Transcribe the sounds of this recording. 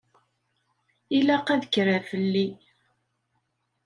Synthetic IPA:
ilæqæðəkːɾafəlːi

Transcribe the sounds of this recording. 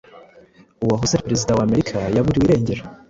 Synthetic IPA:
uwaɦuseɾpeɾe̞zidawame̞ɾikʰajaβuɾiwiːɾe̞ːɲɟe̞ɾa

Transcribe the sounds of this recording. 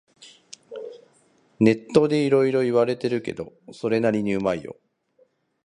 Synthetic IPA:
ne̞t̪ːo̞d̪e̞iɾo̞iɾo̞iβaɾe̞t̪e̞ɾɯ̟ke̞̰d̪o̞so̞ɾe̞naɾʲiɲ̟iɯ̟maijo̞̰

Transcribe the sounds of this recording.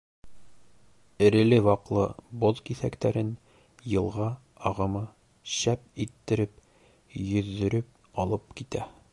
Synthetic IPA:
ɘ̆ɾɘ̆lɘwɒqlˠɤboðkiθækt̪æɾɘn | jɤ̆lˠʁɑ | ɒʁɤ̆mɤ | ɕæp̚it̪ːɘ̆ɾɘp̚ | jɵ̆ðːɵ̆ɾɘp̚ | ɒlˠɤp̚kit̪æ

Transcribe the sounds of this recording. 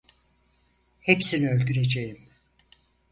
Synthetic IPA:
hepsiniø̞lʲɟʲyɾe̞d͡ʒejim

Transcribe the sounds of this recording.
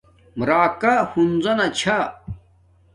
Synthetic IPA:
mɾaːkahunzɐnɐt͡ɕʰa

